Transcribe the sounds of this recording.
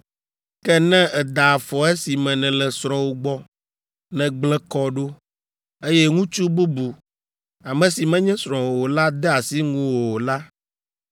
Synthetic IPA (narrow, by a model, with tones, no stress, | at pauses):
kɛ˦nɛ̃˦ɛ˨d̪a˨fɔ˨ɛ˦si˨mɛ̃˨nɛ̃˨lɛ˨sɾ̃ɔ̃˨wo˨ɡ͡bɔ˦ | nɛ̃˨ɡ͡blɛ̃˦kɔ˦ɖo˦ | e˦jɛ˦ŋũ˦t͡ʃu˦bu˦bu˨ | a˨mɛ̃˨si˨mɛ̃˦ɲɛ̃˦sɾ̃ɔ̃˨wo˨wo˨la˦d̪ɛ˦a˨si˦ŋũ˦wo˨wo˨la˦